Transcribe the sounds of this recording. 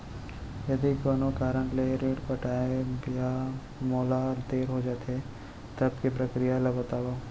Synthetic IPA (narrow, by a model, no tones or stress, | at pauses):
jɐd̪ikbɐnokaːɾə̃ɳʈleɾeːʈpɐʈaːebija | moːlaɾd̪eːɾɦod͡ʒaːt̪eɦe | t̪ɐb̚kipɾɐkɾijalɐbət̪aːʋo